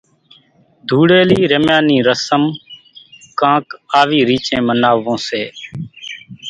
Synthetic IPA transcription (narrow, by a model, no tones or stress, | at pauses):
d̪ʱuːɽeːliːɾəmjãːnĩːɾəsəm | kãːkaːʋiːɾiːt͡ʃẽːmənaːʋõːseː